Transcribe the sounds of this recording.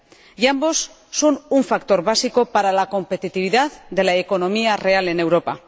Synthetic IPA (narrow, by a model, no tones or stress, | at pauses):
jambo̞sː | onuɱfakt̪o̞ɾβasiko̞paɾalako̞mpe̞t̪it̪iβiðaðd̪e̞laeko̞no̞miare̞ale̞ne̞wɾo̞pa